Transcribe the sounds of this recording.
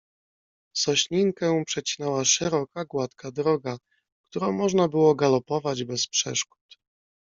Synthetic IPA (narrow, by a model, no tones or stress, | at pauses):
sɔɕɲiŋkɛ̃pʂɛt͡ɕi̥nɛwaʂɛɾɔkaɡwat̪kʰad̪ɾɔɡa | k̚t̪uɾɔ̃w̃mɔʐnabɘwɔɡalɔpɔvad͡ʑbɛspʂɛ̰ʂku̥t̪